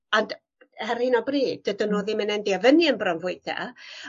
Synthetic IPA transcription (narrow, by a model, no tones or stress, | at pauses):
ɔnd | hɛrɪnɔbriːd̚dədənoːðɪmənɛndiavəniənbrɔnvʊjd̥a̰